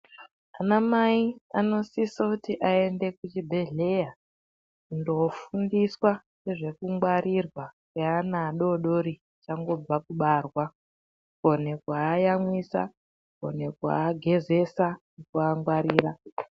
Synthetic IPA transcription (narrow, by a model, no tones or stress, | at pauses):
anamaiano̞sisakutiʔae̞nde̞kut͡ʃibʱe̞ɮe̞ja | kundo̞fundiswa | neʐe̞kuŋɡwaɾirwakanaɗo̞ɗo̞ɾi | t͡ʃaŋɡo̞b͡vakuɓarwa | ko̞ne̞kwaːjamwisa̰ | ko̰ne̞kwa̰ːɡʱe̞ze̞sanekuaŋɡwaɾiːɾa